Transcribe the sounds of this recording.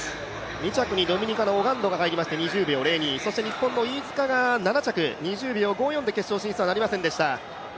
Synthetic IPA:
ɲʲit͡ɕakɯ̟ɲ̟id̪o̞mʲiɲ̟ikanoːɡãnd̪o̞ɡaɦaiɾʲimaɕi̥t̪e̞ɲ̟iʑɨːbʲio̞ɾe̞ːɲʲiso̞ɕi̥t̪e̞ɲ̟ipːõ̞nːo̞iːzɨ̥kaɡananat͡ɕakɯ̟ɲ̟iʑɨːbʲio̞ɡo̞ːjond̪e̞ke̞ɕo̞ːɕĩsɨβanaɾʲimasẽ̞nd̪e̞ɕi̥t̪a

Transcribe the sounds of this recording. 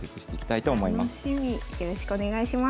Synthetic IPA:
set͡sɨ̥ɕi̥t̪e̞ikʲi̥t̪ait̪o̞ːmo̞imaoɕimʲijo̞ɾo̞ɕi̥kɯone̞ɡaiɕima

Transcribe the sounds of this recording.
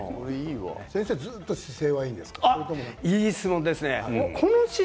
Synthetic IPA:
oɾeiːβa̰sẽse̞ːd͡zɨːt̪ːoɕi̥se̞ːβaĩːnd̪e̞sɨ̥kkḁaɾt̪omonaiːsɨmõnd̪e̞sɨneakʰonoɕi

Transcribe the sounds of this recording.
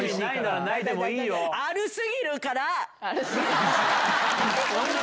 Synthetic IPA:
iiinaɾanaid̪e̞moiːjoaɾɯ̟sɨɡʲiɾɯ̟kaɾa | o

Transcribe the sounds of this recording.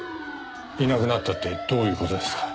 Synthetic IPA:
inakɯ̟nat̪ːat̪ːe̞d̪̥o̞ːjɯ̟ːko̞t̪o̞d̪e̞skḁ

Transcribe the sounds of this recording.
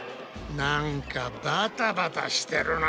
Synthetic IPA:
naŋkabat̪apat̪a̰st̪ɛɾʊna

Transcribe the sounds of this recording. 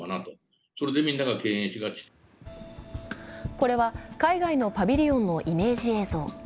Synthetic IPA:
anat̪o | soɾe̞d̪e̞mʲĩnːaɡake̞ːẽɕiɡakʲi̥t̪ | ko̞ɾe̞βakaiɡaino̞pabʲiɾʲiõ̞nːo̞ʔime̞ːʑieːzo̞ː

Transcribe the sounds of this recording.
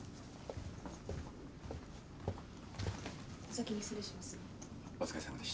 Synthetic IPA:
asakʲiɲisɨɾeɕimasɨ | ozɨ̥kaisand̪eɕ

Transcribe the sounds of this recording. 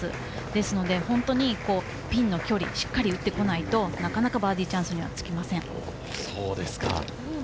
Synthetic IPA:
ɨ̰ | d̪e̞sɨno̞d̪e̞hõ̞nt̪o̞ɲ̟iko̞ː | pʲĩnːo̞kʲo̞ɾʲḭɕi̥kːaɾʲiɯ̟t̪ːe̞ko̞nait̪o̞nakanakabaːd̪ʲiːt͡ɕãɰ̃sɨɲ̟iβa̰t͡sɨ̥kʲimasẽ̞ɴ | soːd̪e̞sɨ̥kã̰

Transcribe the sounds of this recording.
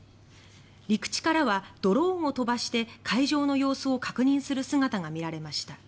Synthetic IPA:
ɾʲikɯ̟̥t͡ɕi̥kaɾaβad̪̥o̞ɾõ̞ːɰ̃o̞t̪o̞baɕi̥t̪e̞kʰaiʑo̞ːno̞jo̞ːsɨokḁkɯ̟ɲ̟ĩɰ̃sɨɾɯ̟sɨŋat̪aŋamʲiɾaɾe̞maɕi̥t̪a

